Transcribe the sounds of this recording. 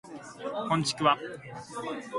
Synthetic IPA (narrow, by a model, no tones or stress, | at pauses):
kõɲt͡ɕi̥kʲɯβa